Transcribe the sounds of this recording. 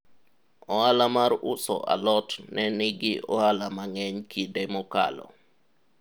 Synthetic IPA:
ɔalamaɾʊsɔ̰ʔa̰lɔtnɛnɪɡɪʔɔalamaŋɛɲkʰidɛmɔka̰lɔ̰

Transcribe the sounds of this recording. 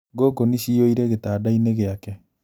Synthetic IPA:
ɡoɡoniɕioiɾɛɣetaːdaineɣeakɛ

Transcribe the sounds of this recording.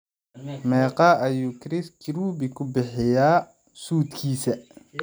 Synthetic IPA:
mɛːqɑʔɐjuːkɾɪskʰɪɾuːbɪkʰʊbɪħɪjaː | suːd̪kʰiːsɐ

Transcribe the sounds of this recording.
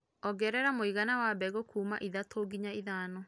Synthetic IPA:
ɔɡɛɾɛɾamoiɣanawabɛɣokʰuːma̰ʔiðatʰoɡiɲaiðaːnɔ

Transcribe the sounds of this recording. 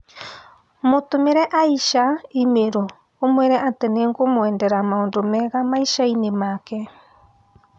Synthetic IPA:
motʊmeɾɛʔaiʃaimeɾoː | mweɾɛʔat̪eneŋɡomwɛndɛɾamaondomɛɣamaiʃainemakɛ

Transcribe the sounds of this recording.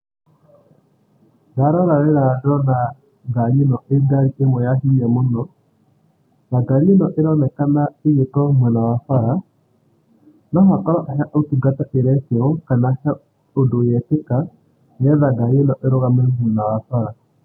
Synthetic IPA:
ðaɾɔɾaɾɛɾadɔna | ɡaɲinɔʔeɡaɾiʔemɔjaɦiɲamonɔ | ðaɡaɲenɔʔeɾɔnɛkanaejetɔmwɛnawafaɾa | nɔɦatɔɾɔʔaɦaʔotuɡataʔeɾɛsiɔkanahɛ | odojɛteka | nɛðaɡaɲenɔʔeɾoɣamɛmwɛnawafaɾa

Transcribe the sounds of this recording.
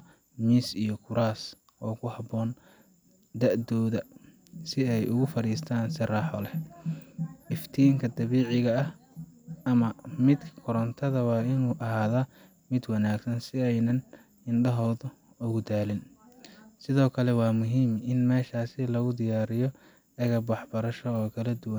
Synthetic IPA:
miːsijɔkʰʊɾaːs | ʔɔːkʰʊhɑbɔːn | d̪ɐʔd̪ɔːðɐ | sɪɛjʊɣʊfɐɾiːst̪ʰaːnsɪraːħɔlɛ | ʔɪft̪ʰiːŋkʰɐd̪ɐβiːʕɪɣɐɐh | ɐmɐmɪd̪kʰkʰʊɾɐnt̪ʰɐðɐwɑːɪnuːʔɐɦaːðɐ | mɪd̪wɑnaːɡsɐnsɪɛjnɐn | ɪnɖɐɦɔːðʊ | ʊɣʊd̪aːlɪn | sɪðɔːkʰɐlɛwɑːmʊɦiːmɪnmɛːʃaːsɪlɐɣʊd̪ɪjaːɾɪjɔ | ɛɣɐbwɑħbɐɾɐʃɔːkʰɐlɐd̪ʊwɐn

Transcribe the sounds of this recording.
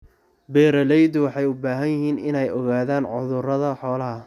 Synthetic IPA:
bɛːɾɐlɛjd̪ʊwɑħɑjʊbaːɦɐjɪɦiːnɪnɛjɔɣaːðaːnʕʊðʊrɐðɐħɔːlɐɦɐ

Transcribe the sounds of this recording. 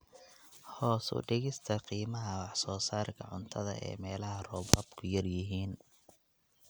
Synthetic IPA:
hɔːsʊ̰ɖɪɣɪst̪ʰɐqiːmɐɦɐwɑħsɔːsaːrkʰɐ̰ʕʊnt̪ʰɐðɐ̰ʔɛ̰ːmɛːlɐɦɐrɔːbɔbkʰʊjɐrjɪɦiːn

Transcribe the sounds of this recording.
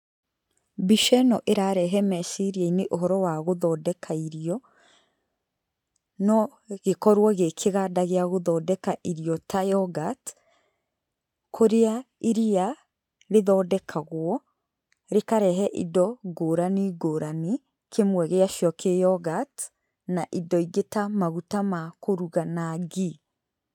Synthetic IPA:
biʃɛnɔʔeɾaɾɛɦɛmɛʃiɾiaineʔoɦɔɾɔwaɣoðɔdɛkʰaiɾiɔ | nɔ | ɣekɔɾwɔɣekʰeɣadaɣeaɣoðɔdɛkaʔiɾiɔtʰajɔɡat | kʰoɾeaiɾia | ɾeðɔdɛkʰaɣwɔ | ɾekaɾɛɦɛʔḭdɔɡoɾaniɡoːɾani | kʰemwɛɣeaʃjɔkʰejɔɡat | naʔidɔiɡetamaɣutamakoɾuɣanaɡi

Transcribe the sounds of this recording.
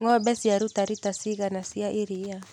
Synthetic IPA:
ŋɔbɛsiaɾutaɾitasiɣanasiaʔiɾia

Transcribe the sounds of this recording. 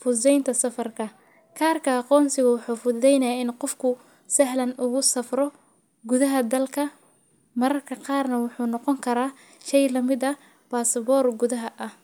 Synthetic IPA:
fʊsɛjnt̪ʰɐsɐfɐrkʰɐ | kʰaːrkʰɐɑqɔːnsɪɣʊwʊħuːfʊɛjnɐjaɪnqɔfkʰʊ | sɐɦlɐnʊɣʊsɐfrɔ | ɡʊðɐɦɐd̪ɐlkʰɐ | mɐɾɐrkʰɐqɑːrnɐwʊħuːnɔqɔŋkʰɐɾaː | ʃɛjlɐmɪdɐ | baːsɐbɔːrɡʊðɐɦɐʔɐh

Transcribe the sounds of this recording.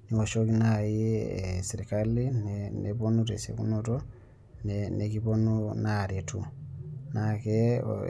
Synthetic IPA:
niwoʃokinajieseɾikalinneponutesḛkṵnuto | nenekiponunaɾjetʰṵnakḛ

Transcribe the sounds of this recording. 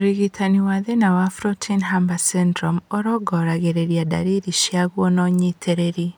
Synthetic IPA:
oɾiɣitʰaniwaðenawafɾɔtʰinɦambasɛndɾɔmoɾɔɡɔɾaɣeɾeɾjada̰ɾiɾiʃiaɣwɔnɔɲitʰeɾeɾi

